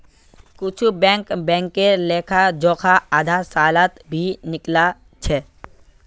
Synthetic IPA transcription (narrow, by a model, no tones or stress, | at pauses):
kʊt͡ʃʰubɛ̃ːŋkbɛ̃ːŋkeɾleːkʰad͡ʒoːkʰaaːd̪ʱasaːlat̪bʱinɪkla | t͡ʃʰɛ